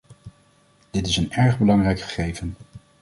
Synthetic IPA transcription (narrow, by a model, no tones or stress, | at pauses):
d̥ɪtɪsənɛɹχbəlɑŋrɛjkχə̥χejvən